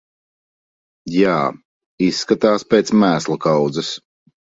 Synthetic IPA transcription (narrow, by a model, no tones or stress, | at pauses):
jaː | isːkat̪aːspʲeːt̪smæːslˠakawd̪zɛs